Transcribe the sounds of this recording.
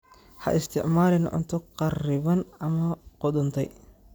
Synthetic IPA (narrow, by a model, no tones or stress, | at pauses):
hɐ̰ʔɪst̪ʰɪʕmaːlɪnʕʊ̰nt̪ʰɔqɑrɪβɐnɐmɐqɔd̪ʊnt̪ʰɛj